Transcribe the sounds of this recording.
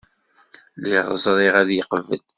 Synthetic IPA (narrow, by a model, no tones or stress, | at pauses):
liʁzˤɾˤiʁæðjəqəvə̰l